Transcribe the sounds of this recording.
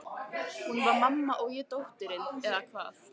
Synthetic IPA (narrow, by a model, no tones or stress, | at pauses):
hunvaɾmamːaʔɔɣjɛt̪owht̪ʏɾɪnɛðakʰva̰ːθ